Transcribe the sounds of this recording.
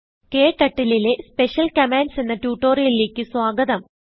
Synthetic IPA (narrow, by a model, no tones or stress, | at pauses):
keːʈːɐʈːilile̞spe̞ɕjɐlkɐmaːnsenːɐtjuːʈːoːrijɐlile̞ːkʲːɨswaːɡɐðɐm